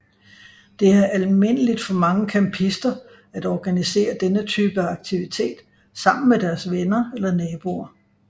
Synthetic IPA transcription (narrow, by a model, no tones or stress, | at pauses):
d̥e̝æɐʔælme̝n̰əlid̥fɒ̽mɑ̈ŋəkʰæmpʰisd̥ɐ | æd̥ɒːɡ̥ænise̝̰ːɐd̥enət͡sʰyːb̥əɑ̈ɡ̥̚t͡sʰiʋit͡sʰe̝̰ːd̥ | sɑ̈m̰n̩med̥æɐsʋenɐelɐnɛːb̥o̝ɐ